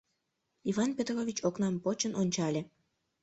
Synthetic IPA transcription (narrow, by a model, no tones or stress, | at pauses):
ivɑnpʲet̪rovʲit͡ɕoknɑmpot͡ɕənonʲt͡ɕɑlʲe